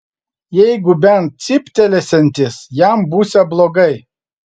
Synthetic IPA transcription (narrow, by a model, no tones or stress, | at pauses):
jɛɪɡʊbʲɛnt̪̚sʲɪpʲt̪ʲɛlʲɛsʲɛnʲt̪ʲɪsjæmbuːsʲɛblˠoːɡɐɪ